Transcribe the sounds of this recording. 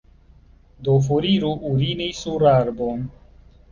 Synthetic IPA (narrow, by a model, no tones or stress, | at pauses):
d̪ofuɾiːɾuʔuɾiːnisuɾaːɾbon